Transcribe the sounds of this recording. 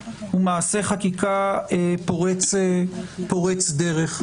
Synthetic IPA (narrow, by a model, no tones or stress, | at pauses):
umaːseχakikaepoʁet͡sepoʁet͡sd̪eʁeχ